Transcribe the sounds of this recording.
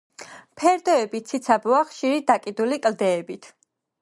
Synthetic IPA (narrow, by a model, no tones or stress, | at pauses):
pʰɛɾd̪ɔɛbit̪sʰit̪sʰabɔaχʃiɾid̪akʼid̪ulikʼld̪ɛːbit̪ʰ